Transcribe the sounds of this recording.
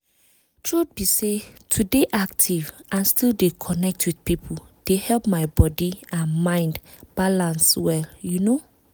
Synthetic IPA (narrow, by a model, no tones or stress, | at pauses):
tʰɹud̚bisetʰudeʔak̚tʰivʔãnstʰildekʰɔnɛk̚tʰwid̥pipʰod̥ehɛlˠpmaɪbɔdiãnmãɪ̃nd | b̥alãnswɛljuno